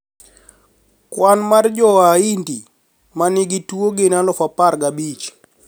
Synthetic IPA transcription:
kwanmard͡ʒɔaindi | manɪɡituoɡenalɔfapaɾɡabit͡ʃ

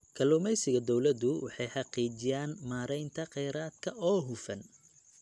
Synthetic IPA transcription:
kʰɐlʊmɛjsɪɣɐd̪ɔwlɐd̪ʊwɑ̰ħɑjħɑqiːt͡ʃɪjaːnmaːɾɛjnt̪ʰɐqɛjɾaːd̪kʰɐʔɔːɦʊfɐn

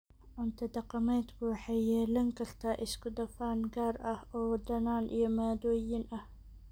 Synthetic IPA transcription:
ʕʊnt̪ʰɐd̪ɐqɑmɛːd̪kʰʊwɑħɑjjɛːlɐŋkʰɐrt̪ʰaːʔɪskʰʊd̪ɐfaːnɡaːrʔɐhɔːwd̪ɐnaːnʔḭjɞmaːd̪ɔːjɪnʔɐh

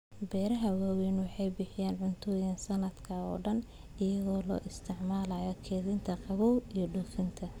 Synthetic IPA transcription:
bɛːɾɐɦɐwaːwɛːnwɑħɑjbɪħɪjaːnʕʊnt̪ʰɔːjɐnsɐnɐd̪kʰɐɔ̰ːɖɐn | ɪjɐðɔːlɔ̰ːʔɪst̪ʰɪʕmaːlaːjɔkʰɛːðɪnt̪ʰɐqɑβɔwijɞɖʊfɪnt̪ʰɐ

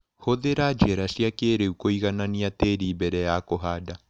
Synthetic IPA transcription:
hoðeɾad͡ʒɛɾasiakeɾeukoiɣananiateɾiːmbɛɾɛjakoɦada

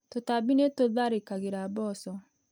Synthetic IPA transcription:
totabinetoðaɾekaɣeɾabɔsɔ

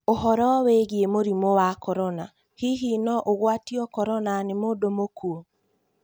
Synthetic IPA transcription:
oɦɔɾɔweɣiemoɾimowakɔɾɔna | hiɦinɔʔoɣwatiɔkɔɾɔnanemoːdomokuo

